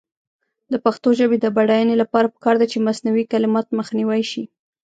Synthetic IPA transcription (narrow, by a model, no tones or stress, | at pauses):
d̪əpaxt̪oʒəbed̪əbaɽajanelapɑɾapə̥kɑɾd̪at͡ʃemasnawikalɪmɑt̪məxniwajʃi